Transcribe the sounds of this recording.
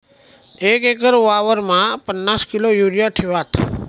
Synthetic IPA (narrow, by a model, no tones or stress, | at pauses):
ekekəɾʋaʋəɾmãpənːaskilojuɾijaʈʰiʋat̪